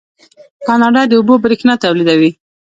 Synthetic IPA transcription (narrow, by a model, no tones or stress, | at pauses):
kɑnɑɖɑd̪əubobɾixnat̪awlid̪awi